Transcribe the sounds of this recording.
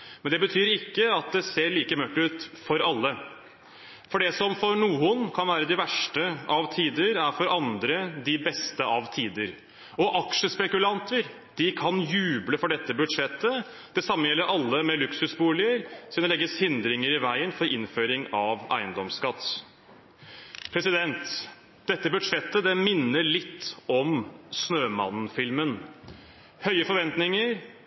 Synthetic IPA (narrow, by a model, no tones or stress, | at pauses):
mɛnd̪ɛbət̪ʰyːɾɪkːəɑt̪̚d̪ɛseːɭiːkəmœʈːʉːt̪fɔɾɑlːə | fɔɖɛsɔmfɔɾɳuːənkʰɑnʋæːɾəd̪ɪʋæʂʈəɑʋt̪ʰiːd̪əɾæɾfɔɾɑnd̪ɾəd̪ɪbɛst̪əʔɑʋt̪ʰiːd̪əɾ | ɔʔɑkʂəspɛkʉlɑnt̪ʰəɾ | d̪̥ɪkʰɑnjʉːbləfɔɖɛt̪ːəbʉt̪ʂɛt̪ːə | d̪̥ɛsɑmːəjɛlːəɾʔɑlːəmɛlʉksʉsbuːlɪəɾsiːnəlɛɡːəshɪnd̪ɾɪŋəɾɪʋæɪənfɔɾɪnføːɾɪŋɑʋʔæ̰ɪənd̪ɔmskɑt̪ː | pʰɾɛsɪd̪ɛnt̪ | d̪̥ɛt̪ːəbʉd̪ʂɛt̪ːəd̪ɛmɪnːəɭɪt̪ʰːɔmsnøːmɑ̰nn̩fɪlmən | hœʏəfɔɾʋɛnt̪nɪŋəɾ